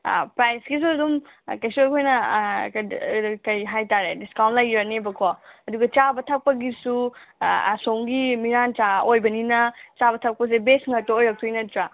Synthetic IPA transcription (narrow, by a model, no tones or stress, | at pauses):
pɾajskis̬uɐdum | kejsuɐkʰojnɐkkɐjɦajtaɾediskawntlajɾɐnebɐkʰɔɐduɡɐt͡ʃabɐtʰɐk̚pɐɡisṵ | soŋɡimiɾant͡ʃaojbɐninɐt͡ʃabɐtʰɐk̚pɐs̬ebesŋɐk̚tɐojɾɐk̚tʰujnɐtɾa